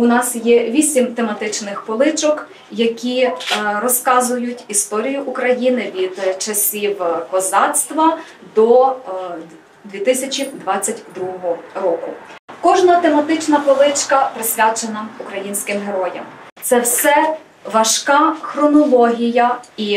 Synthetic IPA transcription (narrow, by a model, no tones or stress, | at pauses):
ʊnɑsjɛʋʲisʲimt̪emɐt̪ɪt͡ʃnɪxpɔlˠɪt͡ʃɔk | jɐkʲirɔskɑzʊjʊtʲist̪ɔɾʲijʊʔʊkɾɐjinɪʋʲid̪t͡ʃɐsʲiwkɔzɑt̪st̪ʋɐ | d̪ɔ | d̪ʲʋʲit̪ɪsʲɐt͡ʃʲid̪ʋɑt͡sʲːɐtʲd̪ɾuɦɔɦɔrɔkʊkɔʒnɐt̪emɐt̪ɪt͡ʃnɐpɔlˠɪt͡ʃkɐpɾɪsʲʋʲat͡ʃenɐʊkɾɐjinʲsʲkɪmɦeɾɔjɐ̰mt̪sɛwsɛ | ʋɐʃkɑxɾɔnɔlˠɔɦʲijɐi